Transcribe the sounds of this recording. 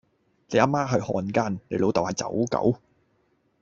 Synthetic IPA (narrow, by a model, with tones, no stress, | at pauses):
le˨˧˥ʔaː˥maː˥ɦə˨˧jhɔː˨˧nkaː˥nle˨˥jlo˨˧wt̪ɐ˨whaː˨˧jt͡sɐ̰˨˥wkɐ̰˨˥w